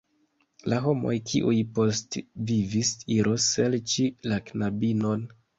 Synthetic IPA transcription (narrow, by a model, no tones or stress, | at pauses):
laɦo̞mo̞̰jkʰḭʔujpo̞stvivisiɾʔoselt͡ʃilaknabino̞n